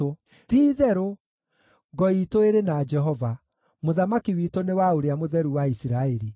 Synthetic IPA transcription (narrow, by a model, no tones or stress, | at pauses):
o | tiːðɛɾo | ɡɔitoeɾenad͡ʒɛɦɔva | moðamakiwitonewaoɾeamoðɛɾuwaisiɾaeɾi